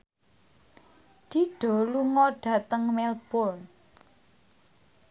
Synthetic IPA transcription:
d̪̥i̤ɖ̥ɔ̤luŋɔɖ̥a̤t̪əŋmɛlb̥ʊrn

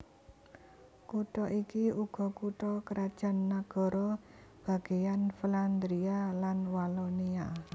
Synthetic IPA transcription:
kuʈɔʔikiuɡ̥ɔ̤kuʈɔkəɾad̥ʒ̥a̤nːaɡ̥ɔ̤ɾɔ | b̥a̤ɡ̥e̤janfiland̪ɾialanwalɔnia

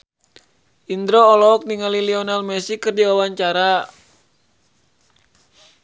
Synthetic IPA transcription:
ʔind̪ɾoːlɔk̚niŋaliliɔnalmɛsikərdiwawaɲt͡ʃaɾa

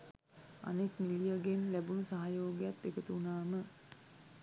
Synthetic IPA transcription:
a̰nekmilijəɡenlæbunusaɦajoːɡejat̪ːekət̪uːnaːmə

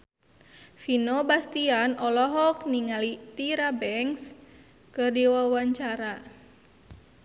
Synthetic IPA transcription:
finobast̪ianʔɔlɔɦɔkniŋalit̪iɾabɛŋs | kɨrdiwawaɲt͡ʃaɾa

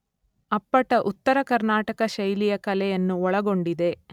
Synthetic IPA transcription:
ɐpːɐʈɐʔut̪ːɐɾɐkɐɾnaːʈɐkɐʃɐjlijɐkɐlɛjɐnːuɔɭɐɡo̞ɳɖid̪e̞

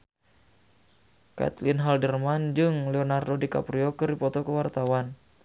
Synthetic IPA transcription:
ka̰t̪linɦaldərmand͡ʒɨŋlɛonardodika̰pɾiɔkɨrdipɔt̪ɔkəwart̪awan

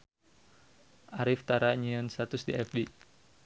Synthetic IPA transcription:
ʔaɾift̪aɾaɲiɔnsat̪usdiɛfdi

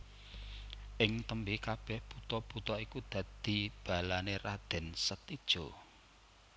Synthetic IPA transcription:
ʔɪŋt̪əmbikab̥ɛhb̥ut̪ɔb̥ut̪ɔikud̪̥ä̤d̪̥i̤b̥a̤lanerad̪̥ɛ̤nsət̪id̥ʒ̥o

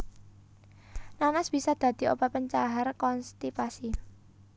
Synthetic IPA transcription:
nanasb̥i̤sad̪̥ä̤d̪̥i̤opapəɲt͡ʃaɦarkɔnst̪ipasi

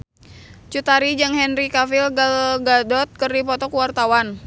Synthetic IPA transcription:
t͡ʃut̪aɾid͡ʒɨŋɦɛnrikafilɡalɡadɔt̪̚kɨrdipɔt̪ɔkuwart̪awan

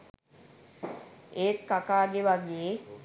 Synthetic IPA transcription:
eːt̪kakaːɡeʋaɡeje

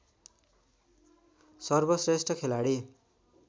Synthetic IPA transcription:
sʌrbʌsresʈʌkʰelaɽi

